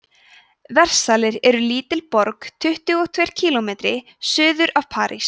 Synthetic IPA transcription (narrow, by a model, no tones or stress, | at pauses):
vɛr̥salɪɾɛɾʏliːt̪ɪlpɔɾkt̪ʰʏht̪ʏɣɔt̪ʰvejɾ̥cʰiːlɔmeːt̪ɾɪ | sʏːðʏɾav̥pʰaːɾʔḭs